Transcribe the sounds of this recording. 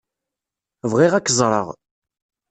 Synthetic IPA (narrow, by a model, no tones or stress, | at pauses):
vʁiʁækːəzˤɾˤə̰ʁ